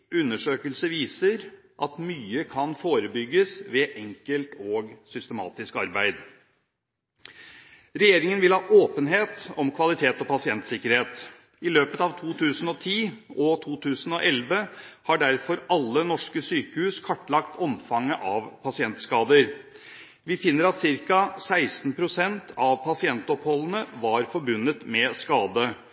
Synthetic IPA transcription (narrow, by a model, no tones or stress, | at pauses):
ʉnːəʂøːkəlsəʋiːsəɾ | ʔɑt̪myːəkʰɑnfoːɾəbʏɡːəsʋɛʔɛŋkəlt̪oːɡsʏst̪əmɑ̰ːt̪ɪskɑɾbæɪd̪ | ɾɛjeːɾɪŋənʋɪlhɑːʔoːpənɦeːt̪ɔmkʰʋɑlɪt̪ʰeːt̪ɔpɑsɪɛnt̪sɪkːəɾheːt̪ | ɪløːpət̪ɑːʋt̪ʰuːt̪ʰʉːsən̩ɔt̪ʰiːɔt̪ʰuːt̪ʰʉːsən̩ɔ̰ʔɛlʋəhɑɖæɾfɔɾɑlːənɔʂkəsyːkəhʉːskʰɑʈːlɑkt̪ʰɔmfɑŋːəʔɑʋpʰɑsɪɛnt̪skɑːd̪əɾ | ʋɪfɪnːəɾɑt̪sɪɾkɑsæɪst̪n̩pʰɾʊsɛnt̪ʰɑʋpʰɑsɪɛnt̪ɔphɔlənəʋɑɾfɔɾbʉnːət̪mɛskɑːd̪ə